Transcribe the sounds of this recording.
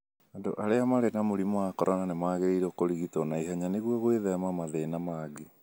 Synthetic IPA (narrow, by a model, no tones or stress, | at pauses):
ando̰ʔaɾeamaɾenamoɾimwakɔɾananemaɣeɾeiɾɔkoɾiɣitɔnaiɦaɲaneɣwɔɣweðɛmamaðeːnamaɡe